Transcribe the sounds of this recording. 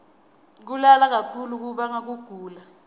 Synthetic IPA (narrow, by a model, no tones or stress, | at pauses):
k̬ulalak̬akʰuluk̬uɓaŋak̬uɡ̥ʱuːla